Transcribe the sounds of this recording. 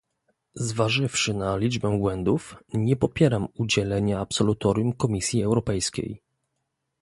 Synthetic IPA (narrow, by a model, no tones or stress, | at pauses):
zvaʐɘfʂɘnalʲid͡ʐbɛbwɛnd̪ufɲɛpɔpʲjɛɾamud͡ʑɛlɛɲaapsɔlut̪ɔɾʲjumkɔmʲisʲjiɛwɾɔpɛjskʲḛj